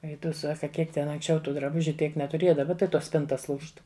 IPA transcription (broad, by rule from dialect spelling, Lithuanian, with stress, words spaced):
ˈɛɪ tʊ ˈsɑːkɐ ˈkʲiɛk tʲɛn ɐŋksʲˈt͡ʃʲɛʊ ˈtuː drɐˈbʊʒʲʊ ˈtʲiɛk nʲɛtʊˈrʲeːjɛ dɐˈbɐ tɐɪ ˈtoːs ˈsʲpʲɪntɐs ˈlˠuːʃt